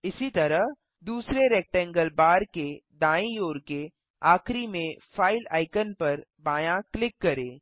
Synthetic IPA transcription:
ɪsit̪ɐɾəɦ | d̪uːsɾeɾeːk̚ʈɛ̃ːŋɡəlbaːɾked̪ãːĩjoːɾke | aːxɾimẽfaːɪla̰ːɪkənpɐɾbaːjãklɪkːɐɾeː

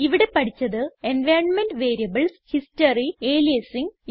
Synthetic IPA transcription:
iʋiɽe̞pɐʈʰit͡ɕːɐðɨenʋeːnmenɖʋe̞ːɾijɐbɐɭshistɐrieːliɐsiŋɡ

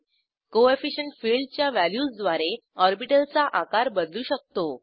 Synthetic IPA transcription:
koefiɕəɳʈfilɖt͡ɕjaʋæljuːsd̪ʋaɾe | ɔɾbiʈəlt͡saʔakaɾbəd̪luːɕək̚t̪o

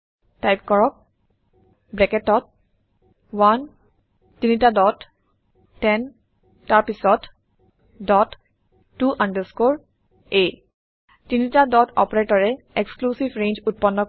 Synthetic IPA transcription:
tajpkɔɹɔk̚ | bɹɛkɛtɔt̚ | wan | tinitadɔtː | ɛn | taɹpisɔt | dɔt | tːuʔandəskoɹ | e | tinitadɔtɔ̰pɔɹetɔɹɛ | eksklusivɹẽnd͡ʒut̚pɔnːɔ

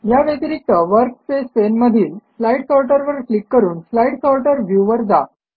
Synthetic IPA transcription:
jaʋek̪ɾik̚t̪əʋəɾkfespenməd̪ʱiːlflaiʈsɔlʈəɾʋəɾklikːəɾuːnflaiʈsɔlʈəɾʋjuʋəɾd͡za̰

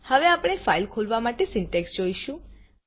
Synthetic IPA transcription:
həʋeapɽ̃efailkʰolʋamaʈesɪɳʈeksd͡ʒoiʃũ

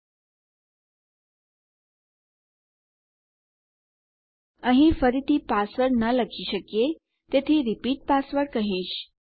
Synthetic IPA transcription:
ə̃ɦĩfəɾit̪iːpasʋəɽnələkʰiɕəkje | t̪et̪ʰiɾipiːʈ̚pasʋəɽkəɦĩːɕ

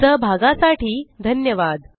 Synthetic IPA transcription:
əbʱaɡasaʈiːd̪ʱənjəʋad̪

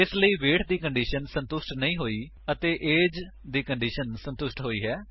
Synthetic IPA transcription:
ɪsləiːʋeːʈʰd̪iːkəɳɖiːʃənsə̃nt̪ʊsʈnəĩːɦoːiː | ət̪eːʔeːd͡ʒ | d̪iːkəɳɖiːʃənsə̃nt̪ʊsʈɦoːiːɦɛː

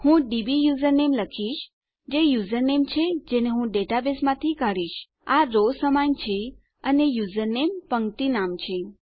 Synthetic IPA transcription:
hũɖibijuzəɾnemləkʰiʃ | d͡ʒejuzəɾnemt͡ʃʰed͡ʒeneɦũɖeʈabesmãt̪ʰikaɽiʃ | aɾosəmaɲt͡ʃʰe | ənejuzəɾnempəŋt̪inamt͡ʃʰe

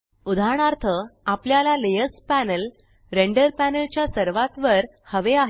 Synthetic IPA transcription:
ud̪ʱaɽ̃aɾt̪ʰəapljalalejəspænəl | ɾeɳɖəɾpænəlt͡ɕjasəɾʋat̪ʋəɾ | həʋeaɦ

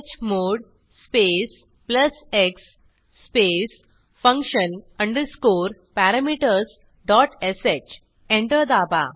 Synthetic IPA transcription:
t͡ɕmoɽ | spes | pləseksː | pes | fə̃ŋkʃənə̃ɳɖəɾskoːɾpæɾamiʈəɾs | ɖɔʈeset͡ɕ | ẽɳʈəɾd̪aba̰

